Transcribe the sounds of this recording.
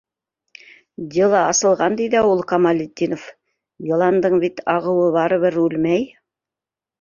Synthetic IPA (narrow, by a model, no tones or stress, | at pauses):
d̪ʲelˠɑɑsɤ̆lˠʁɑnd̪ijðæulˠqɑmɑlʲit̪ʲːinof | jɤ̆lˠɑnd̪ɤɴbit̪ʰɑʁɤ̆wɤβɑɾɤ̆βɘɾʉlmæj